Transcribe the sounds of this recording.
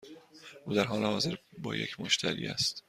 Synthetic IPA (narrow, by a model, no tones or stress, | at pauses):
ʔuːd̪æɾɦɒːlehɒːze̞ɾbɒ̰ːje̞̰cʰmoʃt̪ʰæɾḭːæ̰st̪